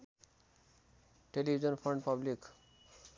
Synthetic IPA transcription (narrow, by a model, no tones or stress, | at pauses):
ʈelibʱid͡ʒənpʰə̃ɳɖpablik